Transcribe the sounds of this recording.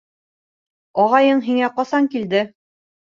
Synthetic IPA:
ɒʁɑjɤɴɦiŋæqɑsɑŋkild̪ɘ

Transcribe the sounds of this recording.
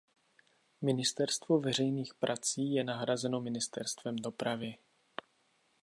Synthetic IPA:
mɪnɪst̪ɛɾst̪vovɛr̝ɛjniːxpɾʔat͡siːjɛnaɦɾazɛno̞mɪnɪst̪ɛɾst̪vɛmdo̞pɾavɪ

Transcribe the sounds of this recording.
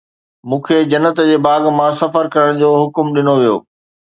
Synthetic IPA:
mũːkʰed͡ʑɐnət̪d͡ʑeːbaːɡmãsɐfəɾkɐɾəɽ̃d͡ʑoːɦʊkʊmɗɪnoʋijo̰ː

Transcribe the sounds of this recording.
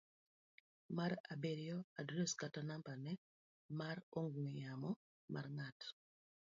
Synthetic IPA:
maɾabeɾjɔadɾeskatanampanɛ | maɾoŋɡuŋijamɔ | mʔa̰rŋat

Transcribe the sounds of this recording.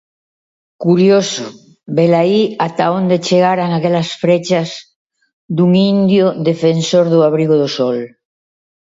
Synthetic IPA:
kuɾjoso | belaiat̪aond̪et͡ʃeɣ̞aɾaŋakelasfɾet͡ʃaz | d̪uŋind̪joðe̞fensoɾðuaβɾiɣoðosol

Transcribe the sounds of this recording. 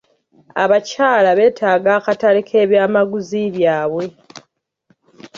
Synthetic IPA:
a̰βacaːlaβe̞ːtʰaːɡaːkatalikʰe̞ːβjaːmaɡuziβjaːβwe̞

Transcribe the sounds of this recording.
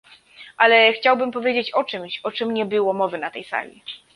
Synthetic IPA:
ʔalɛxt͡ɕawbɘmpɔvʲjed͡ʑet͡ɕɔt͡ʂɘmɕɔt͡ʂɘmɲɛbɘwɔmɔvɘnat̪ɛjsa̰lʲḭ

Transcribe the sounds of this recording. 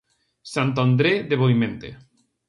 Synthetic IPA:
sant̪and̪ɾeðeβoimẽnt̪ḛ

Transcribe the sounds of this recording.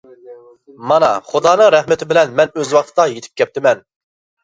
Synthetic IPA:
mɑnɑχud̪ɑːnɨŋɾɛhmɪt̪ʰɪbɪlɛnmɛnøzwɑχ̚t̪ʰɨd̪ɑjet̪ʰɪ̥p̚kʲʰɛp̚t̪ʰɪmɛn

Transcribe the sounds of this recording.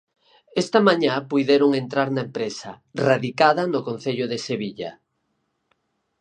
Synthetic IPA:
est̪ɐmãɲapujðeɾoŋent̪ɾaɾnaempɾesɐ | raðikaðɐnʊkon̟θeʎʊðeseβ̞iʎa̰

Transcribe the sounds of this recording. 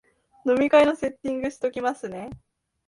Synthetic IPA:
no̞mʲikaino̞se̞t̪ʲːĩŋɡɯ̟ɕi̥t̪o̞kʲimasɨne̞

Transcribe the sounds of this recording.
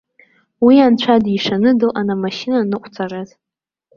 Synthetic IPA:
wiant͡ɕʷʰadiʂanɨdɨlʔanamaʃinanɨqʷʰʼt͡sʰaraz

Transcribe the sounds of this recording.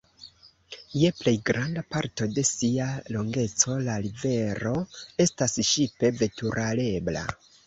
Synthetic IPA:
je̞ple̞jɡɾandapaɾto̞de̞sialo̞ŋɡe̞t͡so̞laɾive̞ɾo̞e̞stasʃipe̞ve̞tuɾʔale̞bla̰

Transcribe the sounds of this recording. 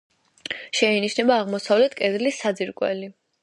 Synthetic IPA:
ʃɛiniʃnɛbaːʁmɔsavlɛt̪ʰkʼɛd̪lisad̪ziɾkʼwɛ̰li

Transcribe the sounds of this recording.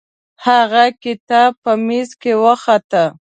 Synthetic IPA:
haɣakɪt̪ab̚pəmizkewəxat̪ə

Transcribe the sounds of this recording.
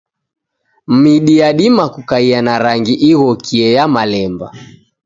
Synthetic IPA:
m̩miɗiaɗimakukaianaɾaŋɡiʔiɣɔkʰiɛjamalɛmba̰

